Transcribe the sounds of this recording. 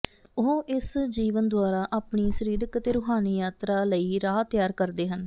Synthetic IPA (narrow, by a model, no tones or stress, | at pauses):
oɦʔɪsd͡ʒiːʋənd̪waːɾaːʔaːpɳiːsəɾiːɾəkt̪eːɾʊːɦaːniːjaːt̪ɾaːləiːɾaːt̪jaːɾkəɾd̪eːɦən